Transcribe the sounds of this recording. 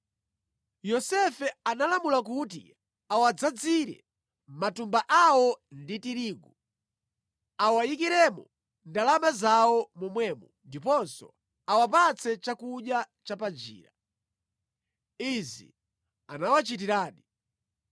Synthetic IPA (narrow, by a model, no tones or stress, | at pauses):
jɔsɛfɛanalamulakut̬ḭ | awad͡zad͡ziɾɛ̰ | matumbaʔawɔnditiɾiːɡu | awajikiɾɛmɔ̰ | ndalamazawɔmumwɛːmundipɔnsɔ̰ | awapat͡sʰɛt͡ʃakuɗja | t͡ʃapand͡ʒḭːɾa | izḭ | anawat͡ʃit̬iɾaːɗi